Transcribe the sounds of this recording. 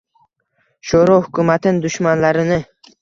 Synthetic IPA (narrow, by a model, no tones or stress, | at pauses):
ʃoɾɒhʊkʰʲʊmat̪ʰɪnd̪ʊʃmanlaɾɪnɪ